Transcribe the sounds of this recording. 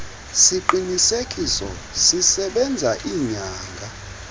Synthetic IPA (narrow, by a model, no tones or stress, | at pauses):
siǃinisekʼisɔ | sisɛɓɛnd͡zʱaʔiɲaːŋɡʱa